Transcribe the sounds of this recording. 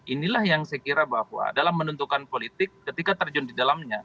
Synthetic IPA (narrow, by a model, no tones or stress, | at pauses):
ʔinilahjaŋsajkiɾabahwa̰dalamːənunt̪ukanpolit̪ɪkːət̪ikat̪ərd͡ʒʊndidalamɲa